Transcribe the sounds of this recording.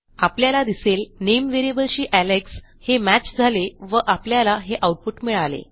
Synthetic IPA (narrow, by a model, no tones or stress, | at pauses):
apljalad̪iselnemʋeɾiebəlɕiːʔæleks | hemæt͡ɕd͡zʱaleʋəʔapljalaɦeʔawʈ̚puʈmiɭalḛ